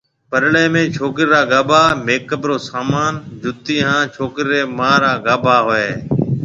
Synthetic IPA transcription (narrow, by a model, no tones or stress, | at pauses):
pəɾleːmẽːt͡ʃʰoːkɾɾaːɡaːbʱaːmeːkːəbɾoːsaːmaːnd͡ʒʱʊt̪iːɦãːt͡ʃʰoːkɾɪɾeːmaːɾaːɡaːbʱaːɦoeː